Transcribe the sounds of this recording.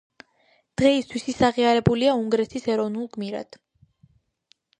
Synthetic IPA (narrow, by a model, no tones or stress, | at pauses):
d̪̥ʁɛist̪ʰwisisaʁiaɾɛbuliauŋɡɾɛt̪ʰisɛɾɔvnulˠɡmiɾa̰d̪̥